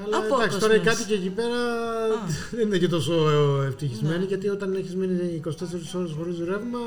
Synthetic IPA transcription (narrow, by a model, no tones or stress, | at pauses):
ɐlɐkst̪oɾekɐt̪ice̞ːcipe̞ɾɐ | ðeninecet̪o̞so̞eft̪içizmeniʝɐt̪io̞t̪ɐne̞çizminiːko̞si̥t̪e̞seɾisiso̞ɾesxo̞ɾizðuɾe̞vmɐ